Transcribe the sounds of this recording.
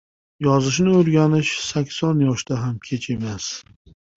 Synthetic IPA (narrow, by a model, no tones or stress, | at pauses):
jɒzɪʃnɪɵɾɡʲanɪʃsakʲsɒnjɒʃd̪aɦamkʲʰe̞t͡ʃʰe̞mas